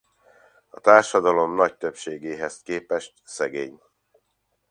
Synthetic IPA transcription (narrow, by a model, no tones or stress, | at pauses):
ɒt̪aːrʃɒd̪ɒlo̞mnɒc̚t̪ø̞pʃeːɡeːɦɛskeːpɛʃt̪sɛɡḛːɲ